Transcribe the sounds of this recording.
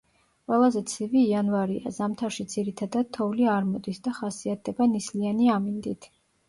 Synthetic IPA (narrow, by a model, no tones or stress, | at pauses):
qʼwɛlˠazɛt̪sʰiviːanvaɾia̰zamt̪ʰaɾʃid̪z̥iɾit̪ʰad̪ad̪̥̚t̪ʰɔvliaɾmɔd̪isd̪aχasiat̪̚ʰd̪ɛbanislianiamind̪it̪ʰ